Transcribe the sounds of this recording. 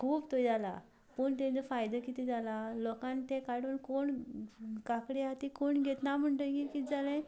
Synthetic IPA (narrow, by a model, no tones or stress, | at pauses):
kʰuːpt̪ojd͡zala̰ | pəɳt̪ẽd͡zəfajd̪əkit̪id͡zalalɔkãnt̪ɛ̃kaɽuːnkoɳ | kakɽeɦat̪ikoɳɡʱet̪nam̤əɳʈ̪əkikid͡zalɛ̃